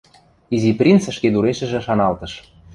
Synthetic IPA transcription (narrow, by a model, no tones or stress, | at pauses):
iziprʲint͡sʃked̪uɾeʃə̆ʒĕʃɑnɑlt̪ɤ̆ʃ